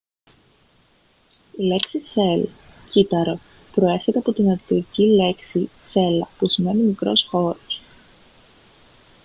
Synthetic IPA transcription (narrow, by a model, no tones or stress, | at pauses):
ile̞ksise̞l | cit̪ɐɾo | pɾo̞e̞ɾçe̞t̪e̞ɐpo̞t̪inɐɾit̪oɾicile̞ksise̞lɐ̰pusime̞nimikɾo̞̰sxo̞ɾos